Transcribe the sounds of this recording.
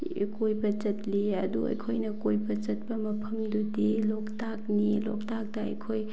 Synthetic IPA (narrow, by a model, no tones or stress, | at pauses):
kojbɐt͡ʃɐt̚liɐduɐ̰jkʰojnɐkojbɐt͡ʃɐt̚bɐmɐpʰɐmdudiloktak̚nilɔ̰k̚tak̚dɐɐ̰jkʰoj